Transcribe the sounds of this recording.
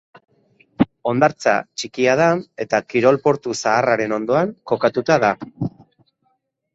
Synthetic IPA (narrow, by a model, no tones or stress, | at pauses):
o̞nd̪aɾt͡sa̰t͡ʃikiað̞ae̞t̪akiɾo̞lpo̞ɾt̪usaːraɾe̞no̞nd̪o̞aŋko̞kat̪ut̪aða